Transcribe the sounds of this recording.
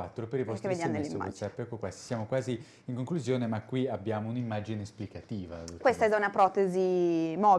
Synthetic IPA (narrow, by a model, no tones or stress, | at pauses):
at̪ːɾopeɾivɔstkːeved̪jaɾd̪elːimaɔ̰t̪sapːɛkːokwast̪i̥sjaːmokwaːzi | iŋkoŋkluzjoːnemakːwiabːjaːmounimːaːd͡ʒinesplikat̪iːva̰kwest̪aɛd̪aunapɾɔt̪ezimɔː